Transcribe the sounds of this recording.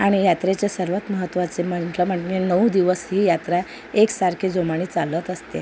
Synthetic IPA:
aɽ̃ijat̪ɾet͡ɕesəɾʋət̪məɦət̪ːʋat͡sem̤əɳʈləm̤əʈnenəwd̪iʋəsɦiːjat̪ɾa | eksaɾkʰed͡zomaɽ̃iːt͡salət̪əst̪ḛ

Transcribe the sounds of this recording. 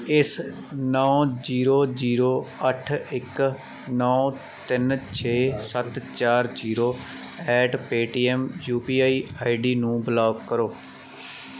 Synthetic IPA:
ɪs | nɔːd͡ʒiːɾoːd͡ʒiːɾoːəʈʰɪk | nɔː | t̪ɪnt͡ʃʰeːsət̪t͡ʃaːɾd͡ʒiːɾoː | ɛːʈpeːʈiːɛːmjuːpiːaːiːaːiɖiːnũːbəlaːbkəɾoː

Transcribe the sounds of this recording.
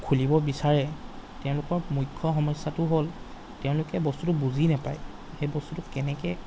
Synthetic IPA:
kʰulibɔbisaɹɛtɛʊ̃lʊkɔɹmujkʰːɔxɔmɔsːatʊɦol | tɛʊ̃lʊkɛbɔstutʊbuzinapaj | xejbɔstutʊkɛnɛkɛ

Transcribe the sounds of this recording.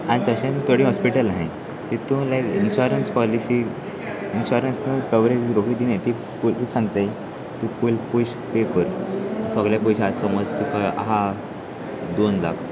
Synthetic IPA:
aɽ̃it̪əɕẽnt̪əɽĩɦɔspiʈəlaɦẽ | t̪it̪ũlajkinɕɔɾənspɔlisi | inɕɔɾənsnəkəʋɾed͡ʑɾokɽiːd̪inet̪i | puisãŋɡt̪ej | t̪ũpulpuɕ | pepəɾsɔɡljapuɕasɔmod͡zt̪ukʰaa̰ɦã | d̪onla̰kʰ

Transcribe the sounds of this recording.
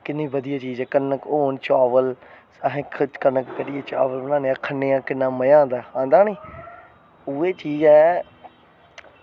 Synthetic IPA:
kɪnːĩːbəd̪ɪjaːt͡ʃiːzɛːkənːəkoːnt͡ʃaːʋəlsaːɦẽːkʰkənəkkəɖɪjaːt͡ʃa̰ːʋəlbənaːneːãːkʰənːeːãːkɪnːãːməjãːd̪aːãːnd̪aːniː | ʊeːt͡ʃiːd͡ʒɛː

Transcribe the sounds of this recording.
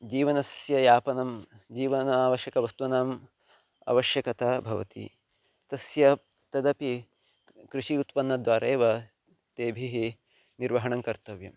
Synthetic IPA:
d͡ʒiːʋɐnɐsjɐjaːpɐnɐmd͡ʒiːʋɐnɐaːʋɐʃjɐkɐʋɐst̪uʋɐnaːm | ɐ̰ʋɐʃjɐkɐt̪ɐbʱɐʋɐ̰t̪ḭ | t̪ɐsjɐ | t̪ɐd̪ɐpi | kɾuʃiut̪pɐnːɐd̪ʋaːɾeːʋɐ | t̪eːbʱiɦi | niɾʋɐɦɐɳɐŋkɐɾt̪ɐʋjɐ̰m

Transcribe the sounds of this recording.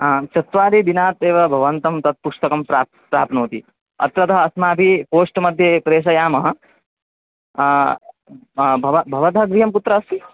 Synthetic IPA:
t͡ʃɐt̪ʋaːɾiʋinaːt̪eːʋɐbʱɐʋɐnt̪ɐmt̪ɐt̪̚puʂt̪ɐkɐmpɾaː | pɾaːpnoːt̪i | ɐ̰t̪ɾɐt̪ɐɦɐːsmaːbʱipoːʂʈmɐd̪ʱjɐpɾeːʂ̬ɐjaːmɐɦɐ̆ | bʱɐʋɐbʱɐʋɐt̪ɐɦɐɡɾijɐmput̪ɾɐɐst̪i

